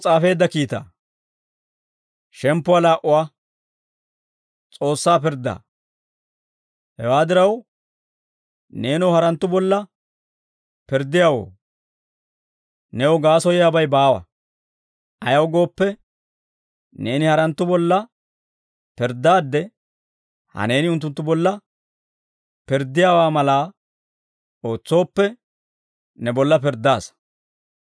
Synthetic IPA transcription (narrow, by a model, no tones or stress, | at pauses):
t͡sʼaːfe̞ːd̪ːɐkiːt̪a̰ː | ʃɛmpːʊwaːlaːʔʊwaː | t͡sʼo̞ːsːaːpɪɾd̪ːa̰ː | hɛ̰waːd̪ɪɾɐw | ne̞ːnɔwhɐɾɐnt̪ːʊbɔlːɐ | pɪɾd̪ːɪjawo̰ː | nɛɔɡaːsɔjɪjaːbɐjbaːwɐ̰ | ʔɐjɐwɡo̞ːpːɛ | ne̞ːnɪhɐɾɐnt̪ːʊbɔlːɐ | pɪɾd̪ːaːd̪ːɛ | hɐ̰ne̞ːnɪʊnt̪̬ːʊnt̪ːʊbɔlːɐ | pɪɾd̪ːɪjaːwaːmɐlaː | o̞ːt͡sːo̞ːpːɛ | nɛbɔlːɐp̬ɪɾd̪ːaːs